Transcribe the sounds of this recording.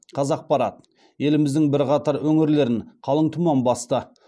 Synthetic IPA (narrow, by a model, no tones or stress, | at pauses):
qʰɑzɑq̚pɑɾɑt̪ | je̞lɪmɪzd̪ɪŋbɪɾqɑt̪ɑɾwɵŋɪɾle̞ɾɪɴqʰɑlˠəɴt̪ʰʊmɑnbɑst̪ə